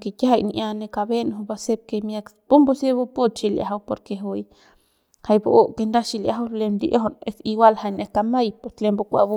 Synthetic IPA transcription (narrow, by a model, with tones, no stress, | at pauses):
ke˧ka˦ɦa˨jni˧ʔja˧ne˧ka˧be˦n˨o˧ba˧se˦b̚ke˧mja˧kpu˦mbo˦se˦bu˦pu˦t̪t͡ʃi˧lja̰˨ɦa˧wpo˧ɾke˧ɦu˧j | ha˧jbo˧o˦ke˧nd̪a˦ʃi˧lja˧˨a˦wle˧nd̪ḭ˧ʔo˦ɦo˧ne˧˦si˧wa˦lha˧jne˧ka˧ma˦jpo˨t̪le˧mbo˧kʷa̰˧bu˦